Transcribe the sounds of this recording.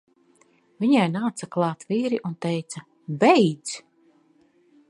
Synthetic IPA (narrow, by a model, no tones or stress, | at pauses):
vʲiɲajnaːt̪saklˠɑːt̪viːɾiʔunt̪ɛjt̪sa | bɛjd̪s